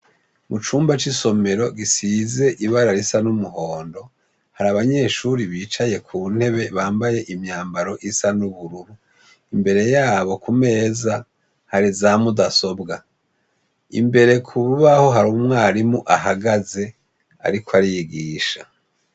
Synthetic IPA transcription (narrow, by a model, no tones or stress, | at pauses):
mut͡ʃuːmbat͡ʃiso̞me̞ɾo̞ɡisize̞ʔiβaɾaɾisanumuɦo̞ːndo̞ | haɾaβaɲe̞ʃuɾiβiːt͡ʃaje̞kʰuːn̥he̞βe̞βaːmbaje̞ʔimɲaːmbaɾo̞ʔisanuβuɾuɾu | imbe̞ɾe̞jaːβo̞kume̞ːza | haɾizamudaso̞bɡa | ḭmbe̞ɾe̞kʰuβuβaho̞ɦaɾumŋaːɾimuʔaɦaɡaze̞ | a̰ɾikoaɾijiɡiːʃa